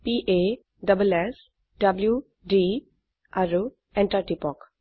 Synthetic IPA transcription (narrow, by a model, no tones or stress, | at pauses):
piʔe | ɖəbəles | ɖəblju | ɖi | aɾu | eɳʈaʈipɔk